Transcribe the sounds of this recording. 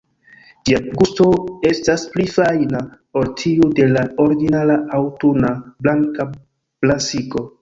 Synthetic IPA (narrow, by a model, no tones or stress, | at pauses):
d͡ʒiaɡustoe̞stasplifajna | o̞ltʰiude̞lao̞ɾɡinalaʔawtunablaŋka | plasiko̞